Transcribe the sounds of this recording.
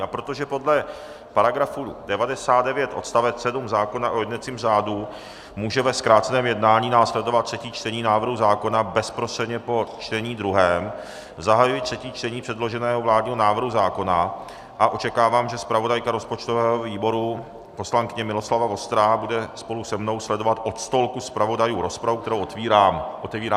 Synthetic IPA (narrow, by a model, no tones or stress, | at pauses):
apɾot̪o̞ʒɛpo̞dlɛ | paɾaɡɾafudɛvadɛsaːt̪̚dɛvjɛt̪ʔo̞̰t̪st̪avɛt͡ssɛdumzaːko̞naʔojɛdnɛt͡siːmzaːdu | muːʒɛvɛskɾaːt̪t͡sɛnɛːmjɛdnaːɲiːnaːslɛdo̞vat̪̚ːr̝ɛciːt͡ʃt̪ɛɲiːnaːvr̩ɦuzaːko̞nabɛspɾost̪r̥ɛdɲɛpo̞t͡ʃt̪ɛɲiːd̪ɾuɦɛːm | zaɦajujɪt̪̚r̥ɛciːt͡ʃt̪ɛɲiːpr̥ɛdlo̞ʒɛnɛːɦovlaːdɲiːɦonaːvr̩ɦuzaːko̞na | ʔaʔo̞t͡ʃɛkaːvaːmʒɛspɾavo̞dajkaɾo̞spo̞t͡ʃt̪ovɛːɦoviːbo̞ɾu | po̞slaŋkɪɲɛmɪlo̞slavavo̞st̪ɾabudɛspo̞lusɛmno̞wslɛdo̞vat̪ʔo̞t̪st̪o̞lkuspɾavo̞dajuːɾo̞spɾavukt̪ɛɾowʔot̪viːaʔot̪ɛviːɾaː